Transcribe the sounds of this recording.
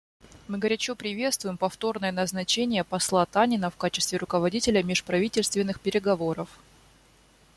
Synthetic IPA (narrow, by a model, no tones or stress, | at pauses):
mɨɡəɾʲɛt͡ɕopɾʲɪvʲe̞t̪st̪vʊjɪmpɐft̪o̞rnəjənɐznɐt͡ɕenʲɪjəpɐslˠat̪anʲɪnəfkat͡ɕɪst̪vʲɪɾʊkəvɐdʲitʲɪlʲəmʲɪʂpɾɐvʲitʲɪlʲst̪vʲɪnːɨxpʲɪɾʲɪɡɐvoɾəf